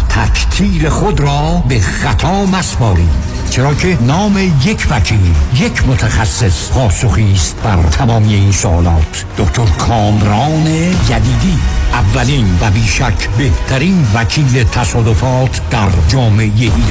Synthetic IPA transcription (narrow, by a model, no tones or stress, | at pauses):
t̪ʰækʰt̪ʰiːɾe̞xod̪ɾɒːbexæt̪ʰɒːmæsbɒːɾḭː | t͡ʃʰe̞ɾɒːkʰe̞nɒːme̞jekʰvækʰiːlje̞cʰmot̪ʰæxæsːespʰɒːsoxist̪̚bæɾt̪ʰæmɒːmijeiːnsoʔɒːlɒːt̪ʰ | d̪̥okʰt̪ʰoɾkʰɒːmɾɒːnejæd̪iːd̪iʔævːæliːnvæbiːʃækʰbe̞ht̪ʰæɾiːnvækʰiːlet̪ʰæsɒːd̪ofɒːt̪ʰd̪̥æɾd͡ʒɒːme̞ejeʔiː